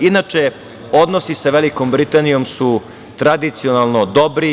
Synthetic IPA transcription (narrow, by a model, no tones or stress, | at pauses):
inat͡ʃe | o̞d̪nosisaʋelikombɾit̪anijo̞msu | t̪ɾad̪it̪sio̞nalˠno̞d̪obɾi